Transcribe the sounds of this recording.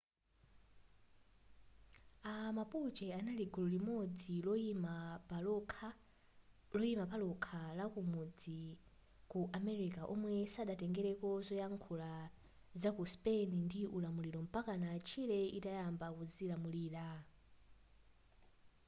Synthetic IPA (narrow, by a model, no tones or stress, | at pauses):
amaput͡ʃɛanaliɡululimɔd͡zilma | lɔimapalɔkʰalakumud͡zi | kuʔamɛɾikaʔɔmwɛsaɗatɛŋɡɛɾɛkɔzɔjaŋkʰula | zakuspenindiʔulamuliɾɔm̩pakanat͡ʃʰilɛitajambakuzilamuliːɾa